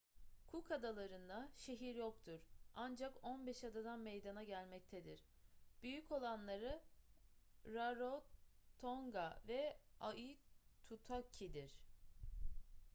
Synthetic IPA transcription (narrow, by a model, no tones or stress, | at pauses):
kʰukʰad̪alˠaɾɯnd̪aʃe̞ɦiɾjokt̪ʰuɾand͡ʒako̞nbɛʃad̪ad̪anmejd̪anaɟælʲmɛc̚t̪ʰed̪iɾ̥ | b̥yjyco̞lˠanlˠaɾɯ | ɾaɾot̪ʰoŋɡavɛait̪ʰut̪ʰacʰid̪iɾ̥